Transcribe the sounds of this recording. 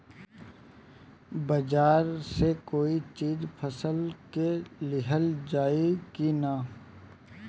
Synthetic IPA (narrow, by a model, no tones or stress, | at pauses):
bɐd͡ʒaːɾsekoːit͡ʃiːzpʰəsəlkelɪɦəld͡ʒaːiɡina